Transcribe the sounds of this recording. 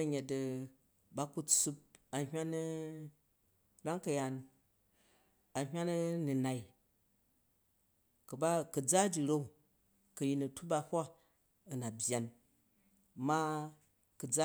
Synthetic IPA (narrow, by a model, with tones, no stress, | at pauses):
ɐ˦ɲe˨tɐ˧ | ba˦ku˦t͡su˧p̚a˨wa˦n˦ | ɾa˦ŋkɐ˨ja˧n | a˨ɦʲwa˦nɐ˦ni˨na˨i˦ | kɐ˨ba˦kɐ˨d͡za˦d͡ʒi˨ɾo˦u˨ | kɐ˨ji˧nɐ˨tu˦ba˧hʷa˦ | ɐ˨na˨bʲja˨n | ma˦ | kɨ˨d͡za˦